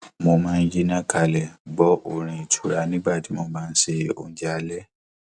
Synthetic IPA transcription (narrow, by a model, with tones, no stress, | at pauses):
mo˨mãː˦n̩˦d͡ʒi˦nã˦ka˧˨lɛ˨ɡ͡bɔ˨˦ʔo˨ɾ̃ĩ˨tʰu˨ɾa˨nĩ˦ba˦˨ti˨˦mo˨mãː˦n̩˦se˦o̰˨n˦d͡ʒa˨lɛ˦